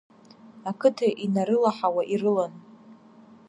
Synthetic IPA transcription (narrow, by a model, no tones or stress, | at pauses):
akʰɨtʰaʔinaɾɨlaħawaʔirɨlan